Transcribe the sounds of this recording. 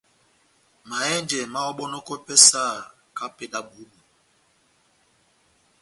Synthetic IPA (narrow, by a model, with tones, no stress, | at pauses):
ma˨ɛ˦nd͡ʒɛ˨ma˦wɔ˦ɓɔ˦nɔ˦kɔ˦pɛ˦sa˦˨ | ka˦pɛ˦da˦bu˨˦bu˨